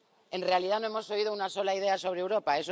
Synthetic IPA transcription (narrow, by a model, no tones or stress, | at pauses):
e̞nre̞aliðano̞emo̞so̞ið̞ounaso̞laiðe̞aso̞β̞ɾewɾo̞pae̞so